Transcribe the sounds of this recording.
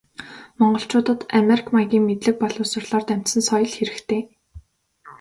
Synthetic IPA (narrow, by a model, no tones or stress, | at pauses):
mɔɴɢɞ̆ɬt͡ɕʊːt̪ə̆t̪ameɾikʰmaɡʲiːŋmet̪ɮɘ̆k̚pɔɮʊːsʊ̆rɮ̥ɔːrt̪æm̥t̪sɘ̆nsɔjɞ̆ɮxeɾɘ̆kt̪ʰeː